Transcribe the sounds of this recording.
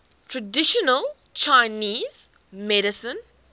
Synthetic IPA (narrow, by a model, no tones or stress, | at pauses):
tʰɹədɪʃɔnəl | t͡ʃaɪniːz̥ | mɛɾɪsə̃n